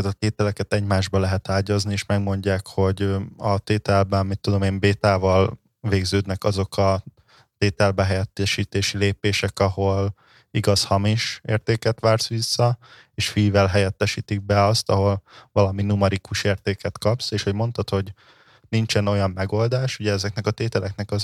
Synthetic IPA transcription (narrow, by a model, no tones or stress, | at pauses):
t̪ɒt̪eːt̪ɛlɛkɛt̪ɛɟmaːʒbɒlɛɦɛt̪aːɟɒznieːʃmɛɡmo̞ɲɟaːkho̞ɟɒt̪eːt̪ɛlbɛnmit̪ːud̪o̞meːmbeːt̪aːvɒl | veːɡzøːd̪nɛkɒzo̞kʰɒ | t̪eːt̪ɛlbɛɦɛjɛt̪ːɛʃiːt̪eːʃileːpeːʃɛkɒho̞l | iɡɒshɒmiʃḛːrt̪eːkɛt̪ʋaːrsʋisːɒ | eːʃfijvɛlɦɛjɛt̪ːɛʃiːt̪iɡ̚bɛɒst̪ɒɦo̞lvɒlɒminumɛɾikuʃeːrt̪eːkɛt̪kɒpseːʃho̞ɟmo̞nt̪ɒt̪ho̞ɟ | nint͡ʃɛno̞jɒmːɛɡo̞ld̪aːʃuɟɛɛzɛknɛkɒt̪eːt̪ɛlɛknɛkɒz